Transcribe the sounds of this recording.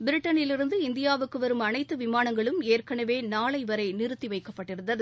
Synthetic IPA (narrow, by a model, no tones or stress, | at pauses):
bɪɾɪʈːɐnɪlɪɾɯnd̪ɯɪnd̪ɪjaːʋɯkːɯʋɐɾɯmɐnɐɪt̪ːɯʋɪmaːnɐŋɡɐɭɯmeːrkɐɳɐʋeːnaːɭɐɪʋɐɾɐɪnɪɾɯt̪ːiʋɐɪkːɐpːɐʈːɪɾɯnd̪ɐðɯ